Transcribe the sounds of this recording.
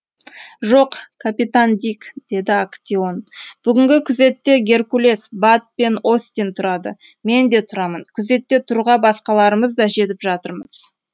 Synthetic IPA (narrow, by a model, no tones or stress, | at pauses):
ʒo̞qkʰapit̪and̪ʲikd̪̥e̞d̪ɪakt̪ʲio̞nb̥ʏɡʲɪŋɡʲɪkʲʰʏze̞t̪ːe̞ɡʲe̞rkulʲe̞sbat̪̚pe̞no̞st̪ent̪ʰʊɾɑd̪ə̰ | me̞nd̪e̞t̪ʰʊɾɑmənkʲʰʏze̞t̪ːe̞t̪ʰʊɾuʁɑbɑsqɑlˠɑɾəməzd̪ɑʒe̞t̪̬ɪpʒɑt̪əɾməz̥